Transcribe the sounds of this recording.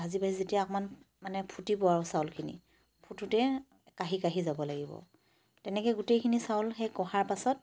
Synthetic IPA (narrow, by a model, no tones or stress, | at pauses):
azibaɦizetiakman | manɛpʰutipɔwaɹʊsawlkʰinḭ | pʰututɛ | kaɦikaɦizabɔlaɡibɔ̰ | tɛnɛkɛɡutejkʰinisaʊlxɛjkɔɦaɹpasɔt̚